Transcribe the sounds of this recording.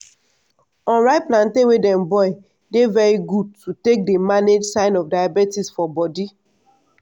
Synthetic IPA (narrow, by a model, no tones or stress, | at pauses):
ɔ̃nɹaɪplãntewedɛ̃mbɔɪ | devɛɹiɡud̚tutek̚demaned͡ʒsãɪ̃nɔfdajabetisfɔbɔdi